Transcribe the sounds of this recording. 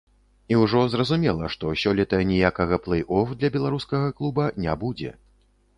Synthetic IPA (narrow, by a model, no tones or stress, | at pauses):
iwʐɔzrɐzumʲɛlˠɐʂt̪ɔsʲɔlʲɛt̪ɐnʲijakɐɣɐplˠɛjʔɔfd̪lʲɐbʲɛlˠaɾuskɐɣɐklˠubɐnʲabud͡zʲɛ̰